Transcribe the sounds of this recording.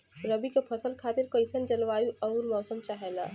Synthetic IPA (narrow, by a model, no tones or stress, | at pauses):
ɾəbikepʰɐsəlkʰaːt̪ɪɾkoɪsənd͡ʒɐlʋaːjuɐʊɾmɔːsəmt͡ʃaːɦɛla̰